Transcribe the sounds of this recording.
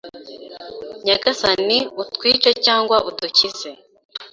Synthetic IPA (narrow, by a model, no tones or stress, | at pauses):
ɲaɡasaniutkwiːt͡ʃecaːŋɡwaʔutucize